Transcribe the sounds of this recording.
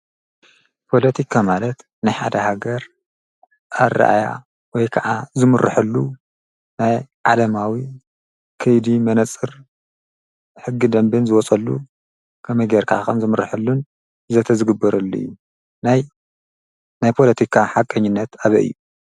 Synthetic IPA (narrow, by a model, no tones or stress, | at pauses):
pʰo̞lɐt̪ʰikʰamalɐt̪ | nɨjħa̰d̪ɐhaɡɐɾ | ʔar̰ːʔa̰ja̰ | wɔjkʰɐʕazɨmɨrʔɨ̰ħɨlːu | najʕalɐmawi | kʰɐjd̪imɐnɐt͡sʼɨɾ | ħɨɡːid̪ɐmbɨnzɨwɔt͡sʼɐlːṵ | kʰɐmɐjɡeɾkʰaakɐmzɨmɨrɨħɨlːun | zɐt̪ʰɐzɨɡɨbːɐɾɐlːṵjːu | naj | najpʰo̞lɐt̪ʰikʰaħakʼɐɲːɪnːɐt̪aβɐ̰ʔɨ̰jːu